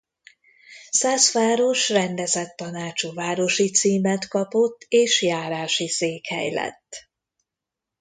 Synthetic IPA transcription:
sasfaːɾo̞ʃrɛnd̪ɛzɛt̪ːɒnaːt͡ʃuvaːɾo̞ʃit̪siːmɛt̪kɒpot̪ːeːʃjaːɾaːʃiseːkhɛ̰jlɛ̰t̪ː

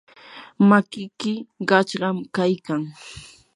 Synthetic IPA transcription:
makɪkɪɢɑt͡ʃɢɑmkajkaŋ

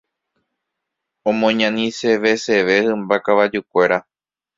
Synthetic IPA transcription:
õmõɲãnĩse̞ʋe̞se̞ʋe̞hɨ̃mbakaʋad͡ʒukʷe̞ɾa

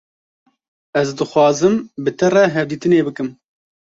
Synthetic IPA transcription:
ɛzd̪ɨxʷwɑːzɨmbɨt̪ɛrɛɦɛvd̪iːt̪ɨneːbɨkɨm

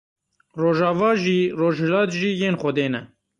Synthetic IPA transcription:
roːʒɑːvɑːʒiːroːʒhlɑːt̪ʒiːjeːnxʷɔd̪eːnɛ

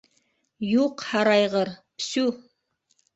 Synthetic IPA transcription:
juqhɑɾɑjʁɤɾpsu

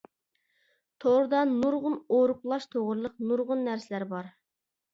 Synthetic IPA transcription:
t̪ʰoʁɾɨd̪ɑnuɾʁʊnoɾʊplˠɑʃt̪ʰoʁɾɨlˠəqnuɾʁʊnːæɾsɪlæɾbɑɾ

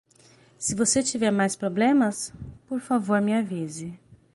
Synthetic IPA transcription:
sɪvoset͡ʃivɛɾmajspɾoblẽmɐspoɾfavoɾmiavizɪ

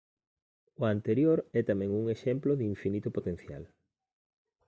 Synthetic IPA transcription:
ʊant̪eɾjoɾɛt̪amɛ̃ŋuŋeʃɛmploðiɱfinit̪ʊpot̪ẽn̟θja̰l

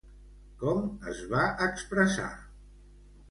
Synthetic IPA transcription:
kɔmə̰zβaʔəkspɾəsa̰

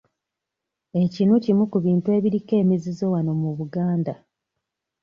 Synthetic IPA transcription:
e̞cinucimukuβiːntue̞ːβiɾike̞ːmizizo̞wano̞muβuɡaːnda

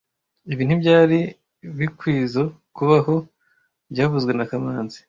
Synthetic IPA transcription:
iβiːn̥ubɟaːɾi | βikwiːzo | kuβaɦo̞ | bɟaːβuzɡwe̞nakamaːnzi̥

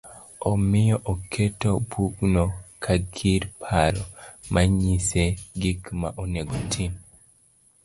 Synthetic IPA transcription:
omɪjɔʔokʰetobuɡnɔkʰaɡʰiɾpʰaɾɔmʔaɲiseɡikmaʔoneɡotʰin

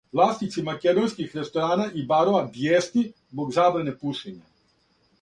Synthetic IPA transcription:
ʋlˠaːst̪it̪simaked̪onskixɾe̞st̪oɾaːnaʔibaɾoad̪jeːst̪izboɡzaːbɾanepuʃiɲa

